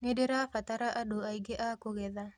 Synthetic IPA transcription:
ŋedeɾafataɾaʔadoaiɡeʔakoɡeða

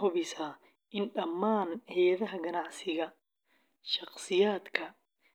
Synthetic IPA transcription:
hʊβɛsaː | ʔɪnɖɐmːaːnhɛjɐðɐɦɐɡɐnɑʕsɪɣɐ | ʃɑqsɪjaːd̪kʰɐ

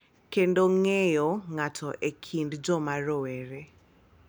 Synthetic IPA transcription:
kendoŋejɔŋatʰɔʔekʰindd͡ʒɔmaɾɔweɾe

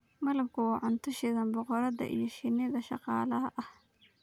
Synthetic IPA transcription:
mɐlɐmkʰʊwɑːʕʊnt̪ʰʊʃɪðɐnbɔqɔɾɐðɐ̰ʔḭjɞʃɪnɪðɐʃɑ̰qɑ̰ːlɐɦɐʔɐh

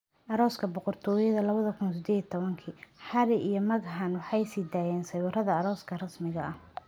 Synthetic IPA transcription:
ʔɐɾɔːskʰɐbɔqɔrt̪ʰɔːjɐðɐlɐβɐðɐkʰʊnsɪd̪ɛːd̪it̪ʰɔβɐŋkʰiːħɑɾɪʔijɞmɐɣħanwɑħɑjsɪd̪aːjɛːnsɐjwʊrɐðɐːɾɔːskʰɐrɐsmɪɣɐɐh

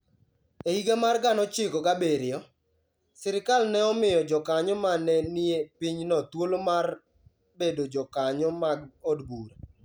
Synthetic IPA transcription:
ehiɡamarɡanɔt͡ʃɪkɔɡabeɾɪjɔ | sɪɾɪkalnɛɔmɪjɔd͡ʒɔkaɲɔmanɛnɪepiɲnɔt̪wolomar | bedod͡ʒɔkaɲɔmaɡɔdɡuɾa

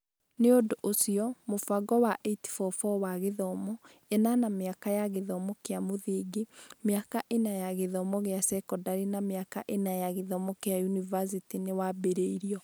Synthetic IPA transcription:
neodoʔosiɔmofaɡɔwaʔeiti̥fɔfɔwaɣeðɔmɔ | enanameakajaɣeðɔmɔkeamoðeːɡemeakaʔenajaɣeðɔmɔɣeasɛkɔdaɾinameakaʔenajaɣeðɔmɔkeajunivas̬itinewabeɾeiɾiɔ

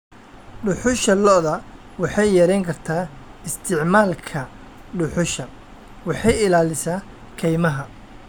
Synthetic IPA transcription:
ɖʊħʊʃɐlɔðɐ | wɑħɑjjɐɾɛjŋkʰɐrt̪ʰaː | ɪst̪ʰɪʕmaːlkʰɐ | ɖʊħʊʃɐ | wɑħɑjɪlaːlɪsaː | kʰɛjmɐɦɐ

